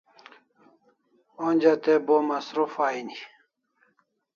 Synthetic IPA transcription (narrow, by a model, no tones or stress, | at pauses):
ond͡ʑat̪ebomɐsɾufaini